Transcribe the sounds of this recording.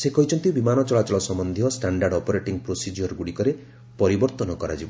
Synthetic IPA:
sekɔɦit͡ʃʰɔnt̪iũbimanɔt͡ʃɔɭat͡ʃɔɭɔsɔmɔnd̪ʱijɔsʈaɳɖaɾɖɔpɔɾeʈiŋpɾosid͡ʒɔɾɡuɽikɔɾe | pɔɾibɔɾt̪ɔnɔkɔɾa̰d͡ʒibɔ

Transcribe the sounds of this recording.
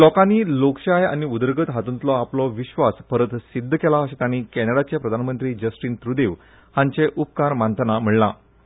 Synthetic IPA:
lɔkanːiːlokɕaja̰ñiud̪əɾɡət̪ɦat̪unt̪lɔaplɔʋiɕʋaspəɾət̪sid̪ʱːəkɛlaəɕet̪aɽ̃iːkɛneɽat͡ɕjapɾəd̪ʱanmənt̪ɾiːd͡ʑəsʈiːnt̪ɾud̪eʋ | hãɲt͡ɕeʔup̚kaɾmant̪ənam̤iɭla̰

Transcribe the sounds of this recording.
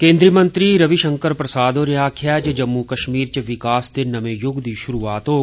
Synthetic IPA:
kẽːnd̪ɾiːmənt̪ɾiːɾɐʋiʃəŋkəɾpɾɐsaːd̪oːɾjaːkʰjaːd͡ʒd͡ʒɐmːukɐʃmiːɾt͡ʃɐʋɪkaːsd̪enɐmẽːjʊɡd̪iːʃʊɾuːaːt̪oː

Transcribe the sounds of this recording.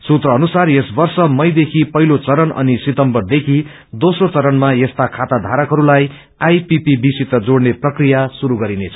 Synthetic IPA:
sut̪rʌːnusarjesbʌrsʌmʌjd̪ekʰipʌɦilot͡sʌɾʌnʌ̰nisit̪ʌmbʌrd̪ekʰi | d̪osrot͡sʌɾʌnmajest̪akʰat̪ad̪ʱaɾʌkɦʌɾulaj | ajpipibisit̪ʌd͡zoɽneprʌkrijasuɾuɡʌɾinet͡sʰʌ̥

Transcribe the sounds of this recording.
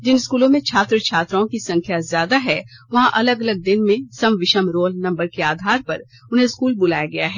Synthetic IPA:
d͡ʒɪnskuːlõmẽt͡ʃʰaːt̪ɾət͡ʃʰaːt̪ɾõkisɐ̃ŋkʰjazjaːd̪aɦɛːʋɐɦãʔɐləɡɐləɡ̚d̪ɪnmẽsɐmʋɪʃəmɾoːlnɐ̃mbəɾkeaːd̪ʱaːɾpɐɾ | ʊnɦẽskuːlbʊlaːjaɡɐjaɦɛː

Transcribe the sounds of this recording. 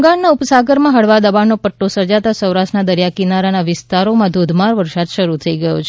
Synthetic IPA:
ɡaɳnaʊpsaɡəɾmãɦəɽʋad̪əbannopəʈːosəɾd͡ʒat̪asə̃wɾaʃʈnad̪əɾjakinaɾanaʋɪst̪aɾomãd̪ʱod̪ʱmaɾʋəɾsad̪ʃəɾut̪ʰəiɡəjo̰t͡ʃʰ

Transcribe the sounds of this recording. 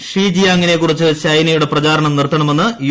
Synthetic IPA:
ʂriːd͡ʑijaɐŋːɐnekːurit͡ɕːɨɕɐjnɐjuɽeprɐd͡ʑaːɾɐɳɐmnirt̪ːɐɳɐme̞nːɨj

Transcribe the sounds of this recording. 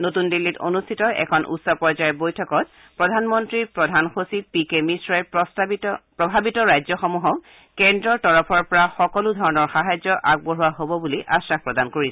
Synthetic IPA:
notundilːito̰nustʰitɔʔɛ̰kʰɔnʔṵtsɔpɔɹzajɔbojtʰɔkɔt̚ | pɹɔdʱanmɔntɹipɹɔdʱanxosipikemisɹɔɛ | pɹɔbʱabitɔɹajzɔxɔmuɦɔ | kɛndɹɔtɔɹɔpʰɔɹpɔɹaxɔkɔludʱɔɹɔnɔɹxaɦajzɔʔaɡ̚boɹuwaɦobɔbuliʔasɹax̚pɹɔdankoɹisɛ

